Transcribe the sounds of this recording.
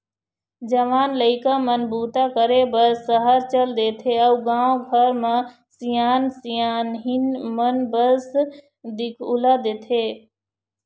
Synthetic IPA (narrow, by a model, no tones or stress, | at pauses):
d͡ʒəʋaːnləɪkamənbuːt̪akəɾebəɾsːəɦəɾt͡ʃəld̪eːt̪ʰeəuɡãːõɡʱəɾmẽ | sijaːnsijaːnɦinmənbəs | d̪ikʰulad̪eːt̪ʰe